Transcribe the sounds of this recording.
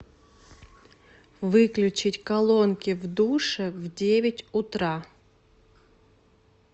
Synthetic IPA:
vɨklʲʉt͡ɕɪtʲkɐlˠonkʲɪvd̪uʂɨvdʲevʲɪtʲʊt̪ɾa

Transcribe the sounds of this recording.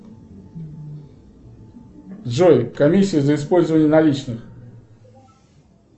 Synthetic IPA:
ʐojkɐmʲisʲːɪjəzəɪspolʲzəvənʲɪjənɐlʲit͡ɕnɨx

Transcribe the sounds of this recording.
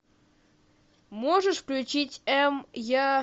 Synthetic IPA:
moʐɨʂfklʲʉt͡ɕitʲɛmja

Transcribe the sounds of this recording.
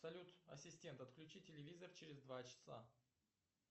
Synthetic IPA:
sɐlʲut̪ɐ̰sʲɪsʲtʲe̞nt̪ɐt̪klʲʉt͡ɕitʲːɪlʲɪvʲizərt͡ɕɪɾʲɪzd̪vat͡ɕɪ̥sa̰

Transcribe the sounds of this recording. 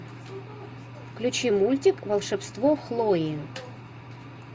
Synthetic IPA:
klʲʊt͡ɕimulʲtʲɪkvəlˠʂɛpst̪voxlˠojɪ

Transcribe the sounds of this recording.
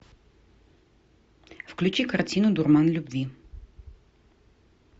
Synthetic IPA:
fklʲut͡ʃikaɾt̪ʲinʊd̪uɾmanlʲubvi

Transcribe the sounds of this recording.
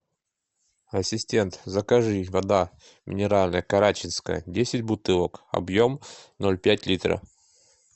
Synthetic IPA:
ɐsʲɪsʲtʲe̞nt̪zəkɐʐɨvɐd̪a | mʲɪ̰nʲɪɾalʲnəjəkɐɾat͡ɕɪnskəjə̰dʲesʲɪtʲbʊt̪ɨlˠəkɐ̰bjo̞mnolʲpʲætʲlʲit̪ɾə̰

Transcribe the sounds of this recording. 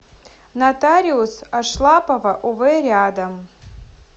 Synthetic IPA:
nat̪aɾʲiusaʂlˠapʼɐvaʔuvɨrʲad̪ɐm

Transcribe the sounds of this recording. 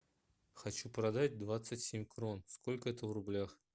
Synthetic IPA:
xɐt͡ɕupɾɐd̪atʲd̪vat̪sɨtʲsʲemʲkro̞nskolʲkəɛt̪əvrʊblʲax

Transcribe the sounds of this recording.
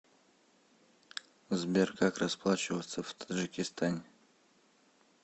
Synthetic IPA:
zbʲerkʰakrɐsplˠat͡ɕɪvət̪səvt̪ʰə̥əd͡ʒɨkʲɪst̪ʰanʲɪ

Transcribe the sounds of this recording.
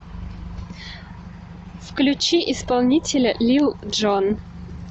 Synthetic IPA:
fklʲʉt͡ɕiʔɪspalˠnʲitʲɪlʲəlʲilˠʐon

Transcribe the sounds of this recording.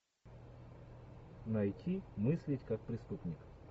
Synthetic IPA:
nɐjtʲʰimɨsʲlʲɪtʲkakpɾʲɪst̪upnʲɪk

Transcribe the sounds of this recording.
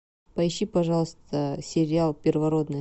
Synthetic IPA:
pɐɪɕːipɐʐɑlˠəst̪əsʲɪɾʲɪalˠpʲɪrvɐɾod̪nɨ

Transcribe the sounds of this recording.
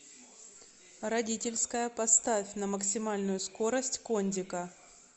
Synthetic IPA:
ɾɐdʲitʲɪlʲskəjəpɐst̪afʲnɐməksʲɪmalʲnʊjʊskoɾəsʲtʲkonʲdʲɪkə

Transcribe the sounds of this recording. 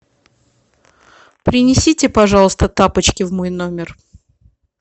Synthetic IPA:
pɾʲɪnʲɪsʲitʲɪpɐʐɑlˠəst̪ət̪apət͡ɕkʲɪvmojnomʲɪr

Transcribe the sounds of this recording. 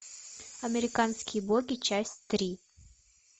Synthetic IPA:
ameɾikanskʲibɔkʲit͡ɕast̪ɾi

